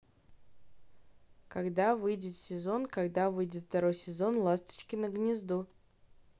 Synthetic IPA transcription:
kɐɡd̪avɨjdʲɪt̪sʲɪzo̞nkɐɡd̪avɨjdʲɪt̪ft̪ɐɾo̞jsʲɪzo̞nlˠast̪ə̥t͡ɕkʲɪnəɡnʲɪzd̪u

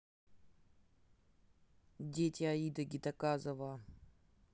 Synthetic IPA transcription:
dʲetʲɪɐid̪əɡʲɪt̪ɐkazɐva

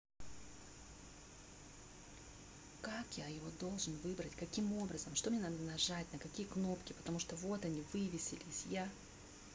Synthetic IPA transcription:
kakjajɪvo̞d̪o̞lˠʐɨnvɨbɾətʲkɐkʲimo̞bɾəzəmʂt̪omnʲenad̪ənɐʐat̚ʲnəkɐkʲijəkno̞pkʲɪpə̥t̪ɐmuʂt̪ovo̞t̪ɐnʲivɨvʲɪsʲɪlʲɪsʲja

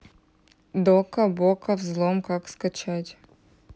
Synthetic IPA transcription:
d̪okɐbokəvzlˠomkakskɐt͡ɕatʲ

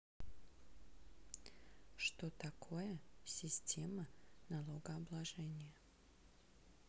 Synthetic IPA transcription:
ʂt̪ot̪ɐkʰo̞jəsʲɪsʲtʲe̞mənɐlˠoɡəɐblˠɐʐɛnʲɪjə

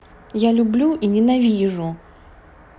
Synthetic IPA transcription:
jalʲʊblʲuʔinʲɪnavʲiʐʊ

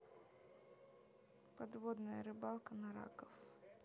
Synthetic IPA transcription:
pɐd̪vod̪nəjəɾɨbalˠkənɐɾa̰kəf

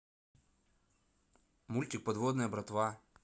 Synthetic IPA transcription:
mulʲt̪ʲɪk̚pɐd̪ʋod̪nɨjɐbɾɐt̪ʋa

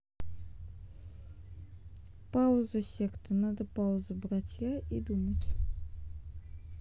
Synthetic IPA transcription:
paʊzəsʲekt̪ənad̪əpaʊzɨbɾatʲjaʔid̪umətʲ

